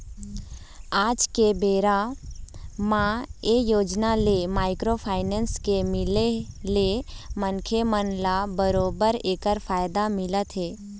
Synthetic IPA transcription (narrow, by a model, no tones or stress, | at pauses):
aːd͡ʒkebeːɾa | mãejoːd͡ʒnalemaːɪkɾopʰaːɪnẽːnskemɪlelemənkʰemənlabəɾoːbəɾeːkəɾfʰaːjd̪amɪlət̪ɦɛː